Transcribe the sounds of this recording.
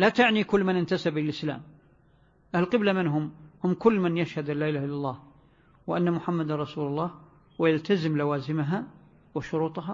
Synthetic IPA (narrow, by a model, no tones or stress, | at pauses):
lat̪aʕnikʊlːmɪnɪnt̪asɪbɪlʔɪsla̰ːm | ʔalqɨblamɪnɦʊmhʊmːkʊlːmanjaʃhad̪ʔanlːaːʔɪlaːhɪlːalˤːɑːh | wʔanːamʊħamːad̪arˤɑsuːlʊlˤːɑːh | wɪjalt̪azɪmlawaːzɪmaɦa | wɪʃʊɾuːt̪ˤɦa